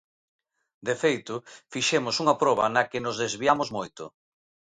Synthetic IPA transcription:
d̪efejt̪ʊfiʃemʊsuŋɐpɾɔβ̞ɐ̰nɐkɪnʊzðezβiamʊzmojt̪ʊ

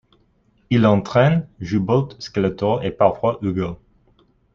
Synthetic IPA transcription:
ilɑ̃t̪χɛnʒybɔt̪skalat̪ɔepaʁfwaʔyɡo

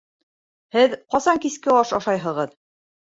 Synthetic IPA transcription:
hɘðqɒsɑŋkiskɘɒʃɑʃɑjɦɤ̆ʁɤð

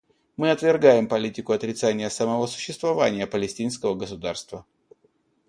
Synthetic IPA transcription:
mɨɐt̪vʲɪrɡajɪmpɐlʲitʲɪkʊɐt̪ɾʲɪt̪sanʲɪjəsəmɐvo̞sʊ̥ɕːɪst̪vɐvanʲɪjəpəlʲɪsʲtʲinskəvəɡəsʊd̪arst̪və

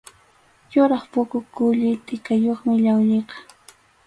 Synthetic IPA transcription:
jʊɾɑχpʊkʊkʊʎɪt̪ʼɪkajoχmɪʎawʎeqɑ̥

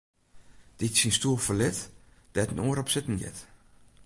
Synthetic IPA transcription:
d̥ɪtsinstuəlˠfəlɪt | d̥ɛtnoːəɾɔpsɪtn̩jɛ̰t

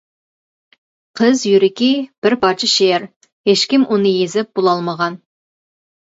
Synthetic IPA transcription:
qʰəzjyɾɪkʲib̥ɪɾpʰɑt͡ʃʰɪʃeɾ | heʃkʲimʔunɨjezɪp̚b̥ulˠɑlˠməʁɑn

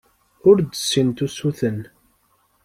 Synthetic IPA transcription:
ʊɾd̪əsːint̪usuθən

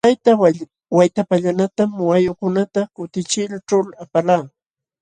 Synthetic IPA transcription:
t̪ajt̪a | wajt̪apaʎanat̪amwajʊkʊnat̪akʊt̪ɪt͡ʃɪlʈ͡ʂʊlapalaː

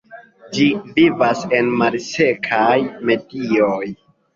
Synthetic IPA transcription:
d͡ʒivivase̞nmalse̞kʰajme̞dioj

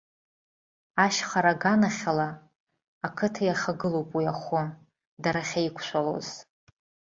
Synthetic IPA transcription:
aʃχʷaɾaɡanaχʲalaː | kʰɨtʰajaχʲaɡɨlo̞wpʼwijaχʷʊ | daɾaχʲaikʷʰʃʷalo̰z̥

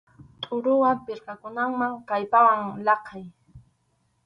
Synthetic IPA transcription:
t̪ʼʊɾʊwampɪɾqakʊnaŋmaŋkajpawaŋlɑqʰɑj

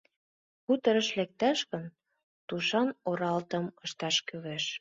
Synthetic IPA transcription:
kut̪ə̆ɾə̆ʃlek̚t̪æʃɣə̆n | t̪uʃɑnoɾɑlt̪ə̆mə̆ʃt̪ɑʃkyβeʃ

